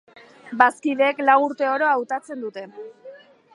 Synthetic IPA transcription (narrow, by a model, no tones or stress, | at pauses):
baskiðe̞ːklawuɾt̪e̞o̞ɾo̞awt̪at͡se̞nd̪ut̪e̞